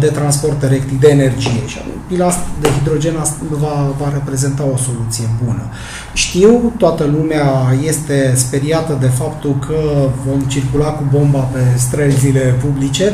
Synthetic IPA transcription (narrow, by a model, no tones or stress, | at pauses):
d̪e̞t̪ɾanspo̞rt̪elekt̪ik̚d̪e̞ːne̞rd͡ʒije̞ʃia̰pilast̪d̪eɦid̪ɾo̞d͡ʒe̞nasvavaɾe̞pɾe̞ze̞nt̪ao̞so̞lut̪sije̞bunə | ʃt̪iwt̪oat̪əlumeaje̞st̪e̞spe̞ɾiat̪əd̪e̞fapt̪ulkʰəvo̞mt͡ʃirkulakubo̞mbape̞st̪ɾəlzile̞publit͡ʃe̞